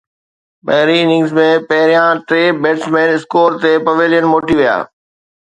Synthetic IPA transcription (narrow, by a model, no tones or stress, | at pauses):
bɐɦɪɾinɪ̃ŋɡzmẽpɐɦɪɾijãʈɾeːbeːʈsmẽːnɪskoːɾt̪epɐʋɪljənmoːʈiʋija̰ː